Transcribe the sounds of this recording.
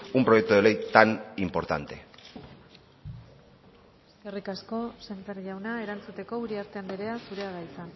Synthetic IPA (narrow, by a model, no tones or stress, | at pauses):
umpɾo̞jek̚t̪uelejt̪animpo̞ɾt̪a̰nt̪e̞̰ | e̞ske̞rikasko̞seɱfeɾʝawnae̞ɾant͡sut̪e̞ko̞uɾiaɾt̪e̞and̪iɾe̞asuɾe̞aɣajt͡sa